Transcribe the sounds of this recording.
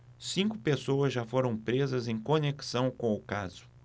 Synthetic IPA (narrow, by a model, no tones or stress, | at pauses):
sĩŋkʊpesowɐzʒafoɾɐ̃w̃pɾezɐzẽj̃koneki̥sɐ̃w̃kõw̃ʊkazʊ̥